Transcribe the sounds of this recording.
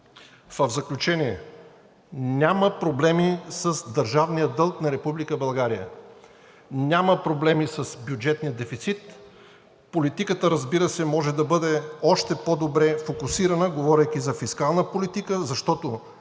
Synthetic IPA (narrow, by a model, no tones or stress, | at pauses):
vəvzɐklʲut͡ʃɛniɛ | nʲaməpɾoblɛmisəsd̪əɾʒavnijəd̪ɤlˠknɐɾɛpublikəbɐlˠɡaɾijə̰ | nʲaməpɾoblɛmisəsbjud͡ʒɛt̪nijəd̪ɛfit̪sit̪ | polit̪ikət̪əɾɐzbiɾəsɛmɔʒɛd̪ɐbɤd̪ɛɔʃt̪ɛpod̪obɾɛfokusiɾɐnəɡovɔɾʲəjk̟izɐfiskalˠnəpolit̪ikəzɐʃt̪ɔt̪o